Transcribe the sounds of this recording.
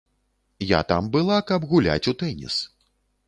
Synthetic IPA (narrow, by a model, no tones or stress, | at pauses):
ja̰t̪ambɨlˠakɐbɣulʲa̰t͡sʲut̪ɛnʲḭs